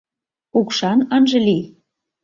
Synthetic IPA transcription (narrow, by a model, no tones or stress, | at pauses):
ukʃɑnɤnʒĕli